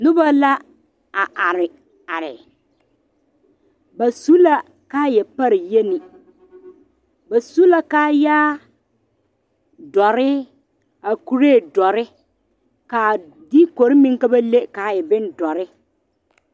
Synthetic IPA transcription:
nʊ˦ba˦la˦ | a˨ʔa˨ɾɪ˨ | a˨ɾɪ˨ | ba˨su˦la˦ | kaː˦jɛ˨pa˦ɾɪ˨je˦ni˨ | ba˨su˦la˦kaː˦jaː˦ | dɔ˨ɾɪ˦ | a˨ku˨ɾeː˦˨dɔ˨ɾɪ˦ | ka˨ | di˦ko˨ɾɪ˦mi˦ŋ˦ka˦ba˦le˦ka˨jɛ˨bɪ˦n˦dɔ˨ɾɪ˦

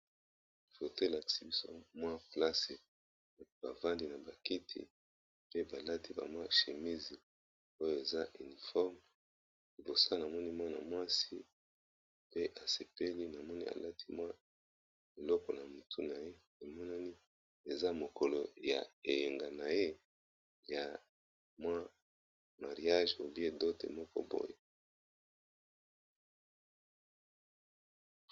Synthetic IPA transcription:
fo˨te˦˨la˨ki̥˨si˦bi˦so˦mwa˦pla˦se˨ | b̥a̰˨va˦ndi˦na˨ba˨ki˦tʰḭ˨ | pe˦ba˨la˦ti˦ba̰˨mwa˦ʃe˨mi˦zi˨ | o˦jo˦e˨za˦ʔi˨ni˨fɔ˦ʁm | i˨bo˨sa˦na˨mɔ˦ni˦mwa˦na̰˨mwa˦si˦ | pe˦ʔa˨se˨pe˦li˦na˨mɔ˦ni˦a̰˨la˦tʰi˦mwa˦ | e˨lɔ˦kɔ˨na˨mu˨tʰu˦na˨je˦ | e˨mɔ˦na˦ni˦ | e˨za˦mo˨ko˨lo˨ja̰˨e˨le˨ŋɡa˨na˨je˦ | ja˨ | mwa˦ | ma˨ʁi˨a˦ʒo˨bi˦e˦do˦tḛ˨mɔ˦kɔ̰˦bo̰˦jo˦

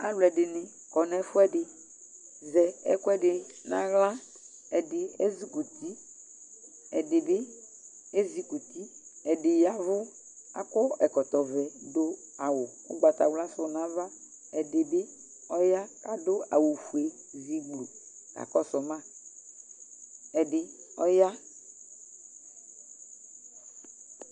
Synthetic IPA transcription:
a̰˦lʊ˨ɛ˨ɖɪ˨nɪ̃˨ | kɔ˨nɛ̃˨fʊ˦ɛ˦ɖɪ˨ | zɛ˨ɛ̰˦kʊ˦ɛ˦ɖɪ˨nã̰˦ɣlã˦ | ɛ˨dɪ˨ɛ̰˦zi˨ku˨t̪i˦ | ɛ˨dɪ˨bɪ˦ | e˦zi˨ku˨t̪i˦ɛ˨dɪ˨ja˦vʊ˦ | a̰˦˨kɔ˦ɛ˨kɔ˨t̪ɔ˨vɛ˨do˦a˨wʊ˨wʊ̰˦ɡ͡ba˨t̪a̰˨wla˦sʊ˦˨nã˦va˦ | ɛ˨ɖe˨be˦ | ɔ˦ja˦ka˦do˦a̰˨wu˨fu˨e˨ | zi˨ɡ͡blu˨ | ka̰˨kɔ˦sɔ˨mã˦˨ | ɛ˨ɖɪ˨ɔ˦ja˦

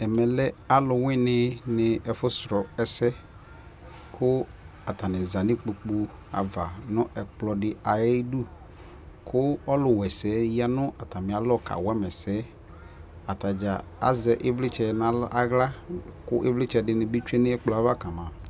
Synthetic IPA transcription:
ɛ˨mɛ˨lɛ˦a˦lʊ˨wɪ̃˦nɪ˦nɪ˨ɛ˨fʊ˦sɾɔ˨ɛ˨sɛ˦ | kʰʊ˦ | a˨ta˨nɪ˨za˨nɪ˦k͡pu˨k͡pu˦ | a̰˨va˨nʊ̃˦ɛ˨k͡plɔ˨dɪ˨a˨jɛ˦du˦ | kʰʊ˦ɔ˦lʊ˨wɛ˨sɛ˨˦ja˦nʊ˦a˨ta˨mɪ̃˨a˨lɔ˦˨kʰa̰˨wɛ˦mɛ˨sɛ˦ | a˨ta˨d͡ʒa˨a̰˦zɛ˨ʔɪ˦vlɪ˦t͡ʃɛ˨na˦lʔa˦ɣla˦kʊ˦ʔe˦vlɪ˦t͡ʃɛ˨dɪ˨nɪ̃˨bi˦t͡ʃu˦e˦nɪ˦ɛ˦k͡plɔ˨a˦va˦ka˨mã˨

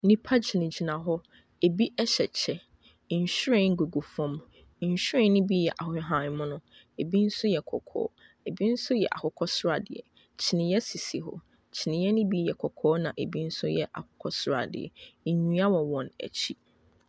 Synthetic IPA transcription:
nĩ˦pʰa˦d͡ʑi˨nɪ̃˨d͡ʑi˨nã˨ɦɔ˦ | e˨bi˦ʔɛ˦ɕɛ˨t͡ɕʰɛ˨˦˨ | ɕᶣɾɛ̃˦ŋ̩˦ɡo˨ɡo˨fɔ̃˦m˦ | ɲ̩˨ɕᶣɾɛ̃˦nɪ̃˦bi˦jɛ˨ʔa˨hʊ˨˦ɦã˨˦mʊ̃˦nʊ̃˦ | e˨bi˦n̩˦sʊ˦jɛ˨kʰɔ̰˨kʰɔ̰ː˦ | e˨bi˦n̩˦sʊ˦jɛ̰˨ʔa̰˨hʊ˨kʰɔ˦sʊ˦ɾa˨dɪ̰˨ɛ̰˨ | t͡ɕʰɪ˨nɪ̃˨jɛ˦si˨si˨ɦɔ̰˦ | t͡ɕʰɪ˨nɪ̃˨jɛ˦nɪ̃˦bi˦jɛ˨kʰɔ˨kʰɔː˨˦nã˨ʔe˨bi˦n̩˦sʊ˦jɛ̰˨ʔa̰˨kʰʊ˨kʰɔ˦sʊ˦ɾa̰˨dɪ̰˨ɛ̰˨ɲũ˦a˦wɔ̃˨wɔ̃˨næ̰˨t͡ɕʰi˦

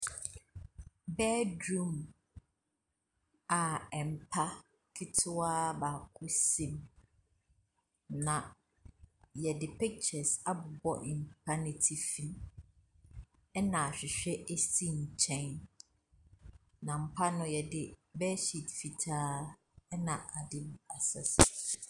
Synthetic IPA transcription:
bɛ˦dɾũ˨m | a˨ɛ˨m̩˨pʰa˦ | kʰɪ˦tʰʊ˦aː˦baː˨kʰʊ˦sĩ˦m | nã˨ | jɛ˨dɪ˨pʰɪ˦k̚t͡ʃɛ˨sa˦bʊ˨bɔ̰˦ʔɪ˨m̩˨pʰa˦nɪ˨tʰi˨fi˦m | ɛ˦nã˨a˨ɕᶣɪ˨ɕᶣɛ˦ʔe˦si˦ɲ̩˨t͡ɕʰɛ̃˦n | nã˨m̩˦pʰa˦nʊ̃˦jɛ˨dɪ˨bɛ˦ɕi˦˨tfi˨tʰaː˦ | ɛ˦nã˨a˨dɪ˦m˦a˨sɛ̰˨s

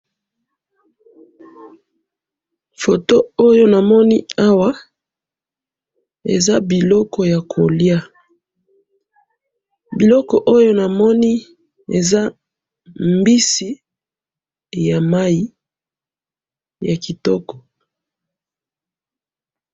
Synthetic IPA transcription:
fo˨to˦o˦jo˦na˨mɔ˦ni˦a˦wa˦ | ḛ˨za˦bi˨lɔ˦kɔ˨ja˨kʰo˨lja˦ | bi˨lɔ˦kɔ˨ʔo˦jo˦na˨mɔ˦ni˦ | ḛ˨za˦ | mbi˦si˨ | ja˨ma˦ji˦ | ja˨ki˨tɔ˦kɔ̥˨

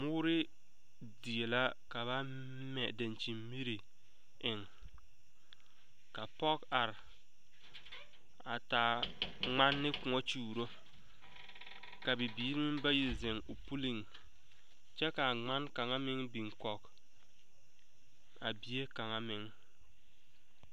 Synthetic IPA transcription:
mʊː˦ɾɪ˦ | di˨e˨la˦ | ka˨βa˦ | mɛ˨da˨nt͡ʃi˨mmi˦ɾi˨ | ɪ˨ŋ | ka˨pɔ˦ka˨ɾɪ˨ | a˨ta˨ŋ͡ma˦nːɪ˦kʊ˨ŋɔ˦t͡ʃuː˦˨ɾo˦ | ka˨bi˨biː˦ɾi˦mɪ˦ba˦ji˨zɪ˨ŋo˨pu˦li˦ŋ | t͡ʃɛ˦ka˨ŋ͡ma˦nka˨ŋa˦mɪ˦ŋbi˨ŋ˨kɔ˨k | a˨bi˦e˦ka˨ŋa˦mɪ˨˦ŋ

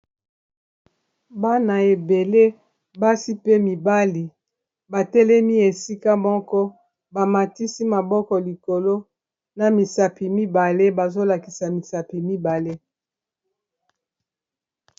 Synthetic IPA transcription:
ba˦na˨e˨be˨le˦ | ba˦si˦pe˦mi˨ba˦li˨ | ba˨tɛ˦lɛ˦mi˦e˨si˦ka˦mɔ˦kɔ˦ | ba˨ma˨ti˦si˦ma˨bɔ˦kɔ˨li˨ko˨lo˦ | na˨mi˨sa˨pi˨mi˦ba˨le˦ba˨zo˦la˨ki˨sa˨mi˨sa˨pi˨mi˦ba˨le˦

